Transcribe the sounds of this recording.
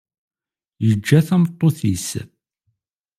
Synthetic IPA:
jəd͡ʒːæθæmt̪ˤːoθis

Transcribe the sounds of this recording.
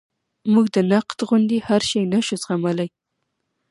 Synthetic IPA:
muɡd̪ənaqt̪ɣʊnd̪ihaɾʃajnaʃuzxamalaj

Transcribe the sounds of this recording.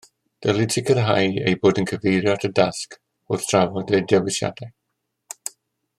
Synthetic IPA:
d̥ɛlˠɪtʰɪkʰərɦa̰jḛjboːdənkʰəvejrjɔtʰədask | ʊθtʰravɔdedɛwɪsja̰d̥ɛ

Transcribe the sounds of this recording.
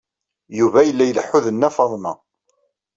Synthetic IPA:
juvæjəlːæjələħːʊðənːæfɑðˤmɑ

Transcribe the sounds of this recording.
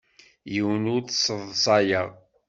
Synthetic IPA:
jiwənʊɾθsːəðˤsˤɑjəʁ

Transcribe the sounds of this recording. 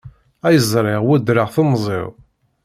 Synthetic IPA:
æjəzˤɾˤɪʁwʊd̪ɾəʁθomzˤḛɾ

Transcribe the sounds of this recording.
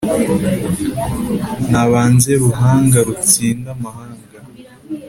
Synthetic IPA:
naβaːnze̞ɾuɦaːŋɡaɾut͡siːndamahaːŋɡa

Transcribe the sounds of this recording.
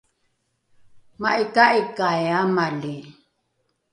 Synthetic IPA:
maʔikaʔikajamali

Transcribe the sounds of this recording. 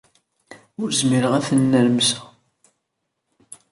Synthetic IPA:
ʊɾzmiɾəʁæθənːəɾmsæ

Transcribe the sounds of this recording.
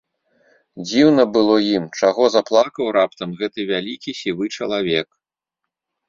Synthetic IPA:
d͡zʲiwnɐbɨlˠɔjimt͡ʂaɣɔzaplˠakɐwɾapt̪ɐmɣɛt̪ɨvʲalʲikʲisʲivɨt͡ʂɐlˠavʲɛk

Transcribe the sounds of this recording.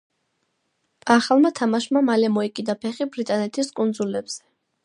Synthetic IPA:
aχalˠmat̪ʰamaʃmamalɛmɔikʼid̪apʰɛχibɾit̪ʼanɛt̪ʰiskʼund̪zulɛbz̥ɛ

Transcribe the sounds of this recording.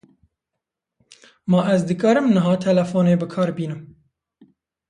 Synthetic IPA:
mɐʔæzd̪ɨkɑːɾɨmnɨɦɑːt̪ʰɛlɛfoːneːbɨkʰɑːɾbiːnɨm

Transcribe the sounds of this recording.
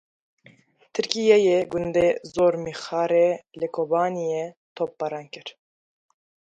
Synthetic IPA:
t̪ʰɨɾkijɛjeɡʊnd̪ezoːɾmixɑːɾelɨkʰobɑːnije | t̪ʰop̚ːɑɾɑːnkɨɾ

